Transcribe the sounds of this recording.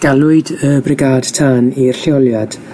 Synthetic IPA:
ɡ̥alˠʊɨdəbrɪɡaːd̥tʰaːnirɬɪɔlˠjad̥

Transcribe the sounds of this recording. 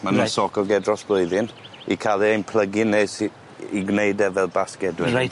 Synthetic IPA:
manasɔkʰɔɡɛdrɔsb̥lˠoɨðɪn | ikʰalˠiejnpʰl̥ˠəɡines | iɡnejdɛvɛlˠbaskɛdwɪ

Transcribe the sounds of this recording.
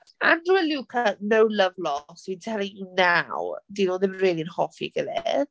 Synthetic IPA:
andruɛluːkʰənowləvlɔswintʰɛlˠɪŋinawdinoːðɪmreːlˠiənhɔfḭɡ̥əðɛ

